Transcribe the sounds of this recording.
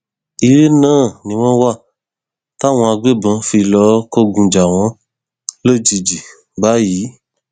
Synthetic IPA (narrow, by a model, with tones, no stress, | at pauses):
i˧˨ɾe˦nãː˦˨nĩ˧˦w̃ɔ̃˦wa˦˨ | ta˦˨w̃ɔ̃˧a˧ɡ͡be˦˨bã˧fi˧lɔ˧˦ko˦˨ɡũ˧d͡ʒa˨w̃ɔ̃˧˦ | lo˦˨d͡ʒi˧d͡ʒi˨ | ba˦jiː˨˦